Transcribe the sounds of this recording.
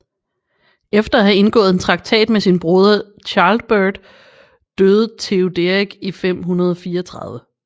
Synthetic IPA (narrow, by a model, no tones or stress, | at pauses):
efd̥ɐæɦæe̝nɡ̥ɔ̰̽ːð̩ˠent͡sʰʁɑ̈ɡ̥̚t͡sʰɛ̰ːd̥mesinb̥ʁoð̞ˠɐ | t͡ɕʰɑ̈ːld̥b̥ød̥ | d̥øːð̞̩ˠt͡sʰe̝od̥eiɡ̥ifem̰ɦunɐð̞ˠɒ̽fiːɐɒt͡sʰʁɑ̈ðˠʋə